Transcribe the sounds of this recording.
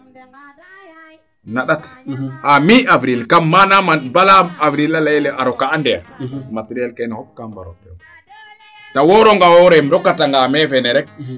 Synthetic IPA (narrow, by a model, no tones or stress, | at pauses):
naɗatʔamiavɾilkamːanamabalaːvɾilalajlɛʔaɾɔkaːndɛja̰matiɾialkajnahɔp̚kamba̰ɾɔ̰pɛ̰w | tawɔɾɔŋɡawɔɾɛmdɔkːataŋɡamɛvɛnɛɾɛk̚